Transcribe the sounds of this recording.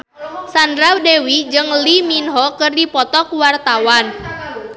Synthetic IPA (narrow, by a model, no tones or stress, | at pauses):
sandɾawdewid͡ʒɨŋliminɦɔkɨrdipɔt̪ɔkuwart̪awan